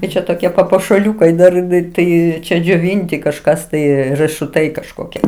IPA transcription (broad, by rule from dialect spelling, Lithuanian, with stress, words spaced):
tɐɪ ˈt͡ʃʲɛ toːˈkʲiɛ pɐpuɔʃɐˈlʲuːkɐɪ dɐr tɐɪ ˈt͡ʃʲɛ d͡ʒʲoːˈʋʲɪnʲtʲɪ kɐʃˈkɐs tɐɪ rɜʃʊˈtɐɪ kɐʃˈkoːkʲiɛ